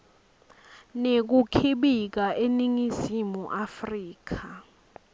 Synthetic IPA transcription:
nek̬ukʰiɓik̬aʔeniŋizimuʔafriːk̬ʰa

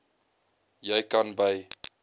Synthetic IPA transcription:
jɛjkɐnbɐj

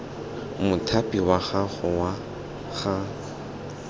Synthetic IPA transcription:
mʊtʰapʼiwaɣaχʊwa | ɣa

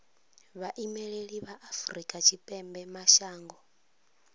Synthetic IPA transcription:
βaʔimɛɺeɺiβaʔafuɾikʼat͡ʃʰipʼɛmbɛmaʃaːŋɡɔ

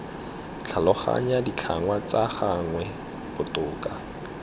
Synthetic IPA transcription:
t͡ɬʰalɔχa̰ɲadit͡ɬʰaŋwat͡saχaŋwɛ | bʊtʊːka

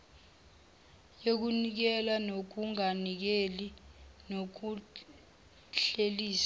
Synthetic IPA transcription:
jok̬unik̬ɛlanok̬uŋanik̬elinok̬u | ɬeliːsḁ

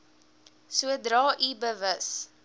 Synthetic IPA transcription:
suədɾɑːʔibəvəs

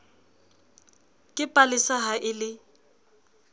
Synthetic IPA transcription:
kʼɪpʼalɪsaɦaʔɪlɪ

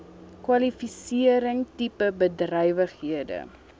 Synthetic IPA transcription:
kwɐlifisiəɾəŋtipəbədrœjvəχɦiədə̰

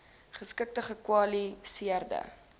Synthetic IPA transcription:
χəskək̚təχəkwɑlisiərdə̰

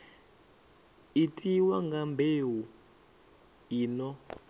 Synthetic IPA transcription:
itʼiwaŋɡambʱeːwu | iːnɔ

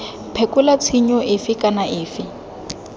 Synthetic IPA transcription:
pʰɛkʼʊlat͡sʰiɲɔʔɪfɪkʼanaʔɪːfɪ

